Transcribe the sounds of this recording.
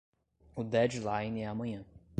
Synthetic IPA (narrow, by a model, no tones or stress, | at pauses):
ʊd̪ɛd͡ʒlajnɛamɐ̃ɲɐ̃